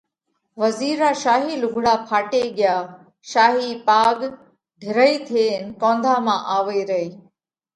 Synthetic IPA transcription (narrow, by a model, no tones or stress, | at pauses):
ʋəziːɾaːʃaːɦiːlʊɡʱɽaːpʰaːʈeːɡɪjaː | ʃaːɦiːpaːɡ | ɖʱɪɾəiːt̪ʰeːnkõːnd̪ʱaːmãːʔaːʋeːɾəiː